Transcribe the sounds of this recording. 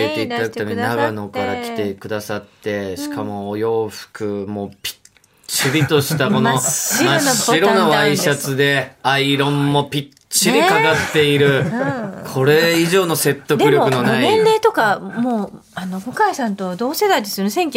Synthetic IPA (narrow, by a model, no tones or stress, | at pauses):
et̪e̞it̪ad̪akɯt̪ameɲinaɡano̞kaɾakʲi̥t̪e̞kɯ̟d̪asat̪ːe̞ɕi̥kamo̞ːjo̞ːɸɯ̥kɯ̟mo̞pʲi̥ | t͡ɕiɾʲit̪o̞ɕi̥t̪amko̞nomaɕːiɾo̞naβaiɕat͡sɨd̪e̞aiɾõ̞mːo̞pʲi | t͡ɕːiɾʲikaɡat̪ːe̞iɾɯ̟ | kʰo̞ɾe̞iʑo̞ːno̞se̞t̪ːo̞kd̪ɯɾʲokkɯno̞naiẽnɾe̞ːt̪o̞kamoː | ano̞ɡo̞kaisãnt̪od̪o̞ːse̞d̪aid̪isɨɾɯsẽ̞ŋkʲ